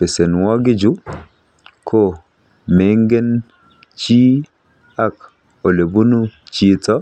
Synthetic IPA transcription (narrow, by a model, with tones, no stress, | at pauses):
pe˨se˨nwɔ˦ɡi˦d͡ʒu˦ | kʰo˦˨ | me˨˦ŋɡe˦n | t͡ʃi˦ | a˦k | o˨le˨bu˦nu˦t͡ʃi˦tɔ˦